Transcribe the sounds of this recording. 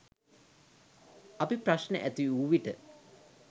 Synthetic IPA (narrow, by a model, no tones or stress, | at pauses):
apipraʃnə̰ʔæt̪iuʋiʈə